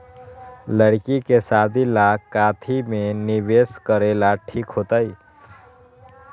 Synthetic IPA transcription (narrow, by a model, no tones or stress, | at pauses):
ləɽkikesaːd̪ʱilakaːt̪ʰimẽnɪʋeːskəɾeːlaʈʰiːkɦoːt̪aiː